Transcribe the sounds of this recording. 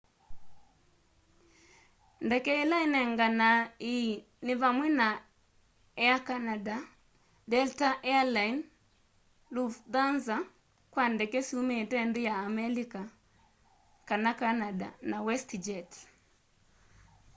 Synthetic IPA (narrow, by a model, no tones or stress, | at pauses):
ndɛkɛelainɛŋɡanai | nɪvamwena | ɛakanada | dɛltaʔɛalain | lufðanza | kwandɛkɛsumetɛndijaːmɛlika | kanakanada̰nawɛstid͡ʒɛt